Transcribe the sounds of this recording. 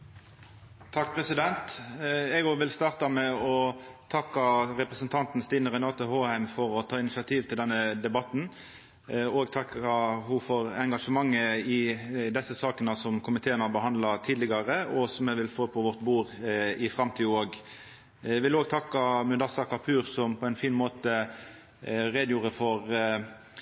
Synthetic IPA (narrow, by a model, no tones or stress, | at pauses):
t̪ʰɑk̚pʰʁɛsɪd̪ɛnt̪ɛɡoɡʋɪlst̪ɑːʁt̪ɑmɛɔt̪ʰɑkːɑʁɛpɾəsənt̪ʰɑnt̪n̩st̪iːnəʁɛnɑːt̪əhoːhæɪmfɔɾɔt̪ʰɑːɪnɪsɪɑt̪ʰiːʋt̪ʰɪld̪ɛnːəd̪ɛbɑt̪n̩ | oːɡt̪ʰɑkɑhʊfɔʁɛŋɡɑʂəmɑŋːəɪd̪ɛsəsɑːknəsɔmkʰʊmɪt̪ʰeːənhɑbəɦɑnd̪lɑt̪ʰiːd̪lɪɡɑʁəɔsɔmɛʋɪlfoːpʰɔʋɔʁt̪buːʁɪfʁɑmt̪ʰiːoːɡ | ʋɪloːɡ̚t̪ʰɑkːɑmʉd̪ɑsɑkɑpʰʉːʁsɔmpʰɔɛɪnfiːnmoːt̪ə | ʁeːd̪juːʁəfɔʁ